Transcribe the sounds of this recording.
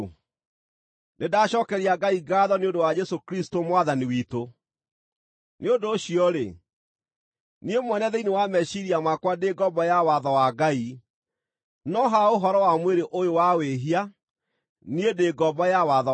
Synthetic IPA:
nedaɕɔkɛɾiaɡaiɡaːðɔneondowad͡ʒɛsokɾistomwaðaniwiːto | neondoːɕiɔɾe | niemwɛnɛðɛinewamɛʃiɾiamakwadeɡɔbɔjawaðɔwaɡai | nɔɦaoɦɔɾɔwamweɾeʔojowaweɦia | niedeːɡɔbɔjawaðɔ

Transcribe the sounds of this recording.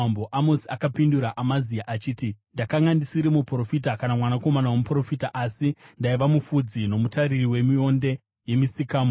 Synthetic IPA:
boʔamosiakapinduɾaʔamazijaʔat͡ʃiːtindakaŋɡandisiɾimupro̞fitakanamwanako̞manawomupro̞fitaʔasindaiʋamufud͡zino̞mutaɾiriwe̞mio̞nde̞ | je̞misikaːmo

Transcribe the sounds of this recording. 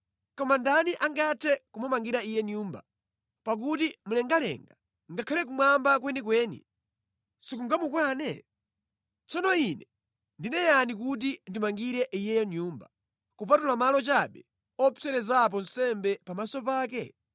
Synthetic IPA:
kɔmandaniʔaŋɡatʰɛkumɔmaŋɡiɾaijɛnjuːmba̰ | pak̬utimulɛŋɡalɛ̰ŋɡa | ŋɡakʰalɛk̬umwambak̬wɛnikwɛːnḭ | sikuŋɡamukwanɛ̰ | t͡sɔnɔinɛ | ndinɛjanik̬ut̬indimaŋɡiɾɛʔijɛjɛnjuːmba | kup̬atulamalɔt͡ʃaɓɛ | ɔsɛɾɛzap̬ɔn̩sɛmbɛpamasɔpaːk̬ɛ

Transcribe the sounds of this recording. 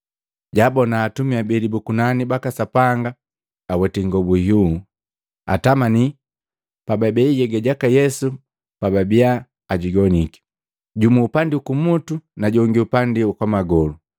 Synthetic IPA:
ɟabɔnaːtumiabilibukunanibakasapaŋɡaː | wɛtiŋɡɔbuhu | a̰tamani | pababɛiɟɛɡɛɟakajɛsu | pababiaː | ɟiɡɔniki̥ | ɟumuːpandiukumutunaɟɔŋɡiupandiukwamaɡɔlu

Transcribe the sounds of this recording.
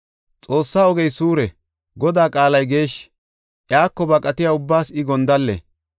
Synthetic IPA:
t͡sʼo̞ːsːaːɔɡɛjsuːɾɛ | ɡɔd̪aːkʼaːlɐjɡe̞ːʃ | ʔjaːkːɔbɐkʼɐt̪ɪjaːʊbːaːsɪɡɔnd̪ɐlːɛ̰

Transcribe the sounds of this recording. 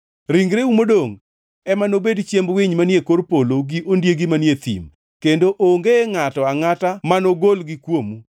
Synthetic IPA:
ɾiŋɡɾeumodoŋ | ɛmanobedt͡ʃjembwiɲmanjekorpoloɡiʔondjeɡɪmanjet̪ḭm | kendoʔoŋɡeŋatɔaŋatamanoɡolɡɪkwomu

